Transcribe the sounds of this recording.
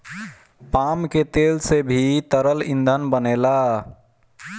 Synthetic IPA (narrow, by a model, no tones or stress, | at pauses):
pamket̪elsebʱit̪əɾəlind̪ʱənbənela